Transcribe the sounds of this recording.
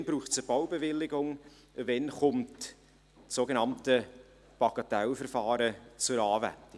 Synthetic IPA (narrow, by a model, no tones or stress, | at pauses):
nb̥ɾuːχtt͡səb̥awbevɪlːɪɡʊŋ | vɛnχʊmt | soɡenɑmtə | b̥ɑɡ̥ɑtɛlfərfɑːɾət͡sʊɾɑːvæ̰ntɪ